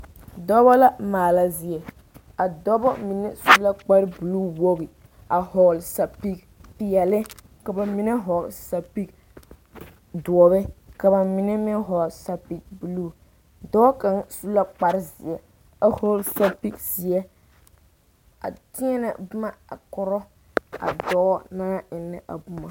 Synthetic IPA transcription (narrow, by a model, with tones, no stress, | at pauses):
dɔ˦bɔ˦la˦maː˨la˦zɪ˨ɛ˨ | a˨dɔ˦bɔ˦mi˨nɛ˦su˦la˦k͡pa˦ɾbu˨lu˦wo˦ɣi˨ | a˨hɔ˨lsa˨pi˦k̚ | pi˨jɛ˨lɛ˦ | ka˨ba˨mi˨nɛ˦ɦɔ˨lsa˨pi˦k | du˨ɔ˨bɛ˦ka˨ba˨mɪ˨nɛ˦mɪ˦ɦɔ˨lsa˨pi˨k̚bu˨lu˦ | dɔ˦ka˨ŋsu˦la˦k͡pa˦ɾɪ˦zɪ˨ɛ˨ | a˨hɔ˦lsa˦pi˦kzɪ˨ɛ˦ | a̰˨tɪ˦ɛ˦nɛ̰˨bʊ˦ma˦˨a̰˨kɔ˨ɾɔ˦ | a̰˨dɔ˨˦naː˦ɪ˨nːɪ˦ʔa̰˨bʊ˦ma˨